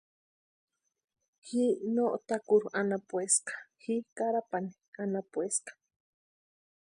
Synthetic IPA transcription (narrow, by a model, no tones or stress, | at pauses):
hinoʔt̪akuɾuʔanapweskḁhikaɾapani̥ | anapueskḁ